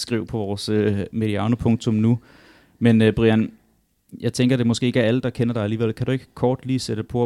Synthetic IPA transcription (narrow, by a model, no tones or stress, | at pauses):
sɡ̥ʁiʊ̰pʰɒ̽ʋɒːsømeliɑ̈nopʰɔ̽ŋt͡sʰɔ̽mnu | menb̥ʁiæn | jɑ̈ɪt͡sʰeŋɡɐɾ̥e̝mɔ̽sɡ̥e̝ːeɡæɐæləd̥ɑ̈kʰenɐɾ̥ɑ̈ɪæliːʋel̰kʰæd̥ue̝ɡ̥ə̥kʰɒːd̥liːsed̥ə̥pʰɒ